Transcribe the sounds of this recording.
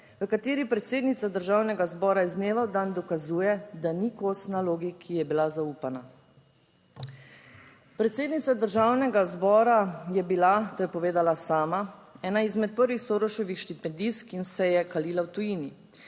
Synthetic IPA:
ʋəkat̪eːɾipɾɛt̪seːd̪nit̪sad̪əɾʒaːwnɛɡazbɔːɾaizneːʋawd̪and̪ɔkazuːjɛd̪anikosnaloːɡikʰijɛbilazauːpana | pɾɛt̪seːd̪nit̪sad̪əɾʒaːwnɛɡazbɔːɾajɛbilat̪oːjɛpɔʋeːd̪alasaːmaɛːnaizmɛt̪̚pəɾʋixsoːɾɔʃɔʋixʃt̪ipɛnd̪iskinsɛjɛkaliːlawt̪ujini

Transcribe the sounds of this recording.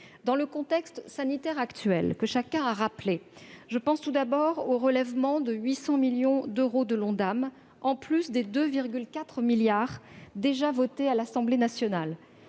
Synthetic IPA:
d̪ɑ̃ləkɔ̃t̪ɛkst̪sanit̪ɛʁakt̪ɥɛ̰lkəʃakʲɛ̃aʁapleʒəpɑ̃st̪ud̪abɔʁoʁəlɛvmɑ̃d̪əɥisɑ̃miljɔ̃d̪øʁod̪əlɔ̃d̪am | ɑ̃plysd̪ed̪øviʁɡʲylkʲat̪χmiljaʁd̪eʒavɔt̪ealasɑ̃blenasjɔnal

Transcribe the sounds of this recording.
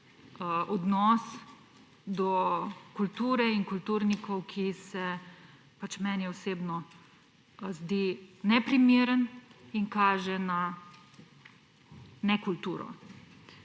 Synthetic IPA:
ɔd̪nɔs | d̪ɔkult̪uːɾɛiŋkult̪uːɾnikʰɔwkʰisɛ | pat͡ʃmɛːnjɛɔseːbnɔ | zd̪iːnɛpɾimeːɾəniŋkaːʒɛna | nɛkult̪uːɾɔ̰

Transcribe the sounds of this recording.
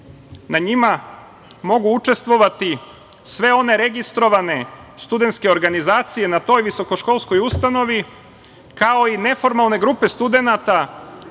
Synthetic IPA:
naɲima | mo̞ɡuut͡ʃe̞st̪ʋo̞ʋat̪i | sʋe̞o̞ne̞ɾe̞ɡist̪ɾo̞ʋane̞st̪ud̪et̪ske̞o̞ɾɡanizaːt̪sije̞nat̪o̞ːjʋiso̞ko̞ʃko̞lˠsko̞just̪ano̞ʋi | kao̞ine̞fo̞ɾmalˠne̞ɡɾupe̞st̪ud̪e̞nat̪a

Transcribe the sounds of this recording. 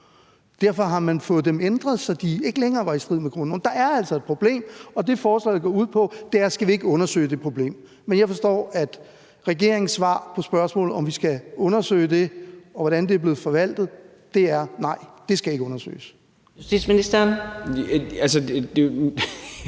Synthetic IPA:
d̥æɐ̰fɒ̽ɦɑ̈mænfɔ̽ːð̩ˠd̥emend̥ʁɐðˠsɒ̽d̥ie̝ɡ̥əleŋɐːʋɑ̈isd̥ʁið̰ˠmeɡ̥ʁuno̰nd̥ɑ̈æɐæl̰sɒ̽e̝d̥pʰʁo̝b̥le̝̰ːmɒ̽d̥e̝fɒːslɛ̰ðˠɡ̥ɒuð̰ˠpʰɒ̽d̥e̝æɐsɡ̥æʋie̝ɡ̥əɔ̽nɐsø̰ɪd̥e̝pʰʁo̝b̥le̝̰ːm | menjɑ̈ɪfɒ̽sd̥ɔ̰ːæd̥ | ʁɛɡ̥e̝ɐ̰eŋn̩sʋɑ̰̈ːpʰɒ̽sb̥ɶɐsmɔ̰̽ːlð̩ˠɒ̽mʋisɡ̥æɔ̽nɐsø̰ɪd̥e̝ɒ̽ʋɒɾ̥ænd̥e̝ɐb̥le̝ð̩ˠfɒ̽ʋæl̰d̥ð̩ˠ | d̥e̝æɐnɑ̈ɪ̰d̥e̝sɡ̥æjie̝ɡ̥əɔ̽nɐsø̰ːɪs | justi̥sminisd̥ɐn | ælsəd̥e

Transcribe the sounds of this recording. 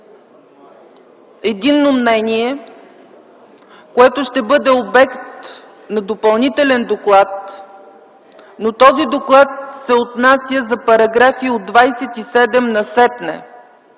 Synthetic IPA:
ɛd̪inːomnɛniɛ | koɛt̪oʃt̪ɛbɤd̪ɛobɛkt̪ | nɐd̪opɐlˠnit̪ɛlɛnd̪oklˠat̪ | not̪ɔzid̪oklˠat̪̚sɛot̪nasjəzɐpɐɾɐɡɾafiod̪ːvajsɛt̪isɛd̪ɛmnɐsɛp̪nɛ̰

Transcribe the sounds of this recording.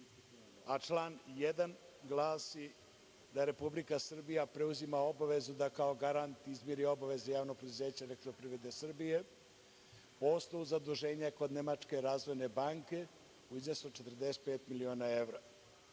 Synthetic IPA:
at͡ʂlaːnjed̪an | ɡlˠaːsi | d̪aɾe̞publikasr̩bijapɾe̞uzimao̞baʋe̞zud̪akao̞ɡaɾant̪izmjeɾio̞baʋe̞zejaːʋnopɾed̪uze̞ːt͡ɕaelek̚t̪ɾopɾiʋɾed̪esr̩bije̞ | poslouzad̪uʒe̞ːɲako̞d̪ne̞mat͡ʂke̞ɾaːzʋo̞jne̞baŋke̞ | uiznesot͡ʃet̪r̩d̪eset̪pe̞ːt̪milio̞ːnaeʋɾa

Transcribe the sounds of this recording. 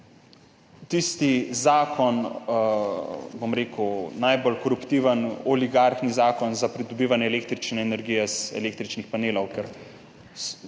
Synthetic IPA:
t̪ist̪izaːkʰɔn | bomɾeːkənajbolkɔɾupt̪iːʋənɔliɡaɾxnizaːkɔnzapɾid̪ɔbiːʋanjɛleːk̚t̪ɾit͡ʃnɛːnɛɾɡijɛzɛ̰leːkt̪ɾit͡ʃnixpaneːlɔwkɛɾ

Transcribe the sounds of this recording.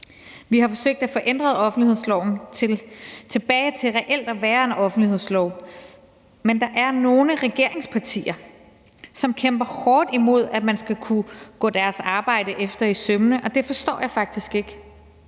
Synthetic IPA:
ʋihɑ̈fɒ̽søɡ̥̚d̥æfɒ̽ʔen̰d̥ʁɐð̩ˠɒ̽fn̩d̥lihe̝ð̞̰ˠslɒʊn̩ʰelt͡sʰe̝b̥ɛːɪt͡sʰe̝lʁɛʔel̰d̥æʋæːɐe̝nɒ̽fn̩d̥lihe̝ð̞̰ˠslɒʊ̰ | mend̥ɑ̈ʔæɐno̝ːləʁɛɡ̥e̝ɐ̰e̝ŋspʰɑ̈t͡sʰḭːɐ | sɒ̽mkʰemb̥ɐhɒːd̥imo̝ð̞̰ˠæ̥mænsɡ̥ækʰuɡ̥ɔ̰̽ːd̥æɐsɑ̈ːb̥ɑ̈ɪ̰d̥əʔefd̥ɐisømnəʔɒ̽d̥e̝fɒ̽sd̥ɒ̰ːjɑ̈ɪfɑ̈ɡ̥̚d̥isɡ̥e̝ɡ̥

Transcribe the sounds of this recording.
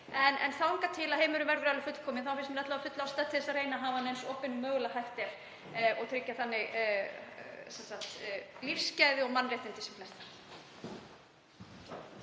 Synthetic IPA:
ɛnɛ̰nθawhɪŋkat̪ʰɪlaðheːjmʏɾʏmvɛɾvʏɾalɪfʏt̪l̥kʰɔːmɪnθawfɪsmɛɾɛht̪lavafʏt̪laast̪at̪ʰɪ̥θɛsareːjnaɦaːvaanejnsoːpɪnmœːɣlaɦajft̪ɛɾ̥ | ɔɣt̪ʰɾɪcːaθanːɪɣ | sɛnsakt̪lir̥scajðɪɔɣmanːrejt̪ɪnt̪ɪsɛmflɛst̪ḁɾ̥

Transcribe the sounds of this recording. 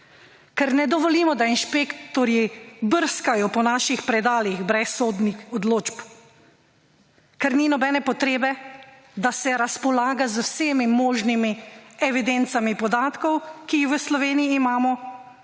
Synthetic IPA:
kɛɾnɛd̪ɔʋɔlimɔd̪ainʃpekt̪ɔɾjibəɾskajɔpɔnaːʃixpɾɛd̪aːliɣbɾɛsoːd̪nixɔd̪loːt͡ʃp | kɛɾninɔbɛːnɛpɔt̪ɾeːbɛ | d̪asɛɾaspɔlaːɡazəwseːmimoːʒnimiɛʋid̪ent̪samipɔd̪aːt̪kɔwkiːxʋəslɔʋeːniiːmaːmɔ

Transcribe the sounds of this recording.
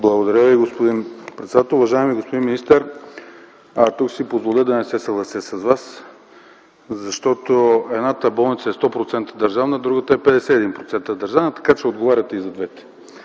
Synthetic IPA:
blˠɐɡod̪ɐɾʲəviɡospod̪inpɾɛt̪sɛd̪at̪ɛlˠuvɐʒaɛmiɡospod̪inmːinist̪ɛɾ | t̪uksipozvolʲəd̪ɐnɛsɛsəɡlˠɐsəsɐzvas | zɐʃt̪ɔt̪oɛd̪nat̪əbɔlˠnit̪səɛst̪ɔpɾot̪sɛnt̪əd̪ɐɾʒavnəd̪ɾuɡət̪əɛpɛd̪ɛsɛːd̪inpɾot̪sɛnt̪əd̪ɐɾʒavnət̪ɐ̥kat͡ʃɛod̪ɡovaɾʲɐt̪ɛizɐd̪vɛt̪ɛ̥

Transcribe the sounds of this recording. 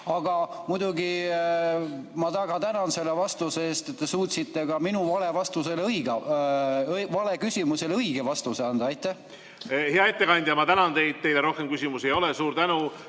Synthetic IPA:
ɑɡ̥ɑmujd̪uɡi | mɑt̪ɑɡ̥ɑt̪ænɑnse̞lːevɑst̪useeːst̪e̞t̪ːe̞suːt̪sit̪ːe̞kɑminuvɑle̞vɑst̪use̞lɤjɡ̥ɑ | vɑle̞kysʲimuse̞lɤiɡ̥e̞vɑst̪useɑnd̪̥ɑɑjt̪ːˑæ | heɑe̞t̪ːe̞kɑnʲd̪̥ʲjɑmɑt̪ænɑnt̪e̞jd̪̥̚t̪e̞jleɾo̞hkemkysʲimusejo̞lesuːɾt̪ænu

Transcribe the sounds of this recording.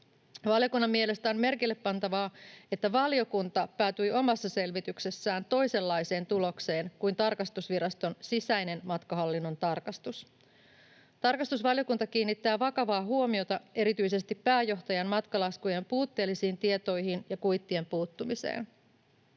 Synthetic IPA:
ʋɑljo̞kunːɑmːie̞le̞st̪æo̞mme̞rkilːe̞pːɑnt̪ɑʋɑːe̞t̪ːæʋɑljo̞kunt̪ɑpæːt̪yjʔo̞mɑsːɑse̞lʋit̪ykse̞sːæːnt̪o̞jse̞lːɑjse̞ːnt̪ulo̞kse̞ːnkujnt̪ɑrkɑst̪usʋiɾɑst̪o̞nsisæjne̞nmɑt̪kɑɦɑlːinːo̞nt̪ɑrkɑst̪us | t̪ɑrkɑst̪usʋɑljo̞kunt̪ɑkiːnːit̪ːæːʋɑkɑʋɑːɦuo̞mio̞t̪ɑe̞ɾit̪yjse̞st̪ipːæːjo̞ht̪ɑjɑnmɑt̪kɑlɑskujempuːt̪ːe̞ːlːisiːnt̪ie̞t̪o̞jhinjɑkujt̪ːie̞mpuːt̪ːumise̞̰ːn

